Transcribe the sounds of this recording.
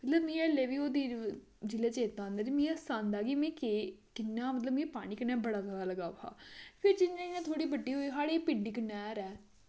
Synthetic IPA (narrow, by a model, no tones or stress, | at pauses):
mət̪ləbmĩːɛleːʋiːoːd̪iː | d͡ʒɪleːt͡ʃeːt̪ːãːnd̪aːɾimĩːɛsãːnd̪aːɡiːmẽːkekɪnːaːmət̪̬ləbmĩːpaːñiːkənɛːbəɽaːzaːɽaːləɡaːpʰa̰ːpʰɪɾd͡ʒɪnːãinẽːt̪ʰoːɽiːbəɖiːɦoːiːɦaːɽepɪɖiːkənɛːɾɛː